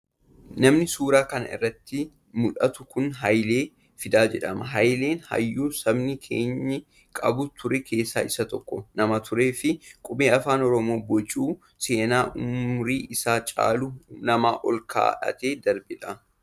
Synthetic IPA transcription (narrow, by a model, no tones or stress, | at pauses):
nɐmnɪsuːɾaːkɐnɐ̰ʔɪ̰rːɐt̪ːɪ | mʊᶑɐt̪ʊkʊnɦɐjle̞ː | fɪd̪aːd͡ʒɛᶑɐmɐɦɐjle̞ːnhɐ̰jːuːsɐbnɪkʰe̞̰ːɲːɐ | kʼɐ̰bʊt̪ʰʊɾɛkʰe̞ːsːa̰ːʔɪsːɐt̪ɔkːɔnɐmɐt̪ʰʊɾe̞ːfɪkʼʊbeːɐfaːnɔɾɔmo̞ːbɔt͡ʃʼuː | se̞ːnaːʔʊmɾiːʔɪsaːt͡ʃʼa̰ːlunɐmaːʔɔlkʰa̰ːᶑɐ̰t̪e̞ːd̪ɐɾbɪᶑɐ